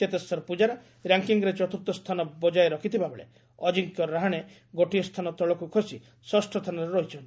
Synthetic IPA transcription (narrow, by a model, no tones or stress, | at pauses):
ket̪esɔɾpud͡ʒaɾɔ | ɾaŋkiŋɡɾet͡ʃɔt̪uɾt̪ːɔst̪ʰanɔbɔd͡ʒajeɾɔkʰit̪ʰibʱabeɭḛ | ɔd͡ʒiŋkjɔɾaɦaɽ̃e | ɡoʈijɔst̪ʰanɔt̪ɔɭɔkukʰosi | sɔsʈʰɔt̪ʰanɔɾeɾɔɦit͡ʃʰɔnʈi̥